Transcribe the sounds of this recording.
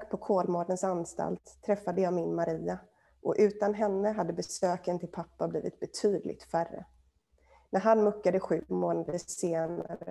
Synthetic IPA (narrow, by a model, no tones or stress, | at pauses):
ɡpʰɔkʰoːlmɔɖənsanst̪a̰lt̪ʰːɾɛfːad̪əjɑːmɪnmaɾiːa | ʔɔʔʉ̟ːt̪anɦɛnːəɦad̪ːəbɛsøːkənt̪ʰɪlpʰapːablḭːvɪ̰t̪̚bɛt̪ʰyːd̪lɪ̰ɡ̚t̪færːə̰ | nʔæɾɦanmɵkːad̪əɧʉ̟ːmoːnad̪əʂeːnaə